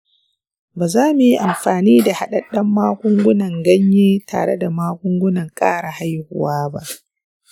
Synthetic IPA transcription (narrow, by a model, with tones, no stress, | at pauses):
baː˨zaː˦mʊ˨ji˦ʔa˨mɸaː˨niː˦da˨ha˦ɗɐ˨ɗɐ˦mːaː˦kʷʊ˦ŋɡʷʊ˦nɐ˨ŋɡɐ˦ɲjeː˦ta̰ː˨ɽḛ˦da˨maː˦kʷʊ˦ŋɡʷʊ˦nɐ˨ŋkʼa̰ː˦ɽa˨ha˦jhʊ̰˨waː˦ba̰˦ʔ